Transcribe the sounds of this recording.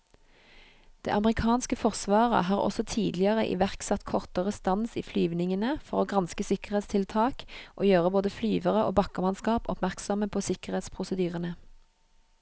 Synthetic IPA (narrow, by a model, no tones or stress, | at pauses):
d̪̥ḛːʔɑməʁɪkʰɑːnskəfɔʁsʋɑːʁə̰hɑːʁɔ̰sɔt̪ʰiːd̪lɪəʁəʔḭːʋæʁksɑt̪kʰɔʁt̪əʁəst̪ɑnsḭːflyːʋnɪŋənəfɔʁoːɡʁɑnskəsɪkəʁheːt̪st̪ʰɪlt̪ʰɑːkʔoːjøːʁəboːd̪əflyːʋəʁəʔo̰ːbɑkəʁmɑnskɑːpɔ̰pmæʁksɔməpʰoːsɪkəʁheːt̪spʰʁʊsəd̪yːʁənə